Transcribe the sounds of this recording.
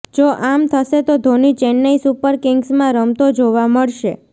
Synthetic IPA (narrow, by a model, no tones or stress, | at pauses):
d͡ʒoʔamt̪ʰəʃet̪od̪ʱonit͡ʃenːəisupəɾkɪŋɡsmãɾəmt̪od͡ʒoʋaməɭʃe